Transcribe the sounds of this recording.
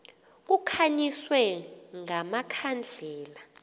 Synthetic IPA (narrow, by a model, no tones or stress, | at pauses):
k̬ukʰaɲiswɛŋamakʰand͡ɮʱɛːla